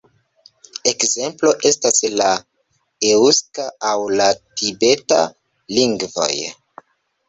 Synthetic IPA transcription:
e̞kze̞mplo̞ʔe̞stasla | euskaawlatibe̞ta̰ | liŋɡvo̞̰j

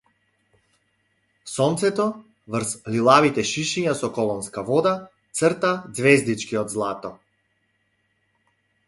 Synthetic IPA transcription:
sɔnt̪sɛt̪ɔ | vrslilˠavit̪ɛʃiʃiɲasɔkɔlˠɔnskavɔd̪a | t̪sərt̪ad̪zvɛzd̪it͡ʃkiɔd̪zlˠat̪ɔ

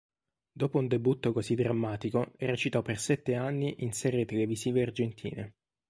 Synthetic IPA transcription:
d̪oːpound̪ebut̪ːokozid̪ɾamːaːt̪ikoeɾet͡ʃit̪ɔpːersɛt̪ːeanːiʔinsɛːɾet̪eleviziːveard͡ʒent̪ʰḭːne

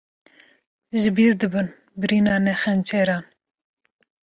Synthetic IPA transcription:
ʒɨbiːɾd̪ɨbɨn | bɨɾiːnɑːnɛxɛnt͡ʃʰeɾɑːn

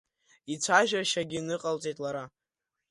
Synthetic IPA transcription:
it͡sʷʰaʒᶣaʃaɡʲinɨqʼalt͡sʼejtʼlaɾa

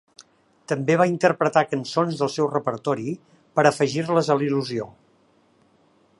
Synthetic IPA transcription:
t̪əmbeβ̞aint̪əɾpɾət̪akənsonzðəlˠsɛwrəpəɾt̪ɔɾi | pəɾəfəʒirləzəliluzio

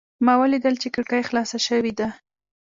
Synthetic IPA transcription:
mɑwəlid̪əlt͡ʃekəɽkajxlɑsaʃəwid̪a

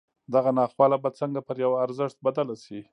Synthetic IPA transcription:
d̪aɣanɑxwɑlabat͡səŋɡapəɾjawaːɾzəʂt̪̚bad̪alasi

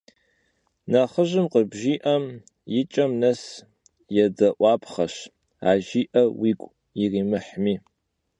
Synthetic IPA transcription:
nɐχəʒɪmqəbʒiːʔɐm | jɪt͡ʃʼɐmnɐs | jɛdɐʔʷɑːpʰχɐɕ | aːʒiːʔɐwikʷʼ | iriːmɨħmiː

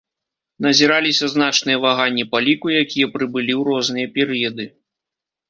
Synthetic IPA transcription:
nɐzʲiɾalʲisʲɐznat͡ʂnɨjɐvaɣanʲːipalʲikujakʲijɐpɾɨbɨlʲiwɾɔznɨjɐpʲɛɾɨjɐd̪ɨ

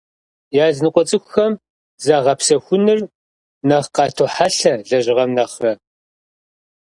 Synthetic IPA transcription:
jaːznɨqʷʼɔt͡sʼɨxʷʊxɐm | zaʁɐpsɐxʷʊnɨr | nɐχqɑːtʰoħaɬɐɮɐʑɪʁɐmnɐχɐ

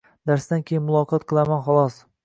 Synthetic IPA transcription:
d̪aɾsd̪ankʲʰejɪnmʊlˠɒqʰɒt̪̚qʰɨlˠamanχɒlˠɒs

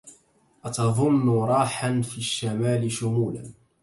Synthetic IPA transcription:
ʔat̪ɑðˤʊnːʊɾˤɑːħanfiːʃːamaːlɪʃʊmuːla̰n

